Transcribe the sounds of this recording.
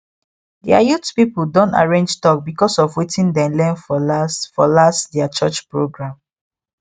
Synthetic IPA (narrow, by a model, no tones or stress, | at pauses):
diajutpipuldõnta̰ɹẽnd͡ʒtɔk̚bikɔsɔfwitĩndɛ̃lɛ̃nfɔasfɔlastdɛat͡ʃət͡ʃpɹoɡɹãm